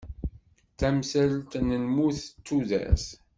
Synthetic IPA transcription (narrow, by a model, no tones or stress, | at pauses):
θæmsælt̪nəlmuθt͡sːuðæ̰s